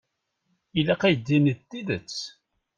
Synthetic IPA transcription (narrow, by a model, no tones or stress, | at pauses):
ilæqæjd̪ːinət̪ːiðət͡sː